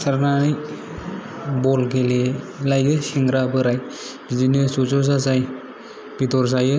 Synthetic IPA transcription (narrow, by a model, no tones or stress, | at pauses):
saɾnanɯj | bɔlɡeli | lajɡɯsiŋɡɾabɯɾaj | b̥idinɯsɔzɔzazaj | b̥itɔɾs̬ajɯ